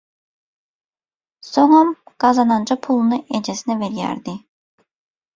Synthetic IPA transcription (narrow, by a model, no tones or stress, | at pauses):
soŋamɡ̥ɑzɑnɑnd͡ʒapʰulˠunɯʔed͡ʒesinɛveɾijæ̰ɾd̪i